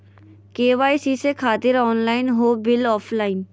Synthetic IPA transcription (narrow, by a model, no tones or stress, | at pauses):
keːʋaːisiːsekʰaːt̪ɪɾɔːnlaːɪnɦoːbɪlɔːfʰlaːɪn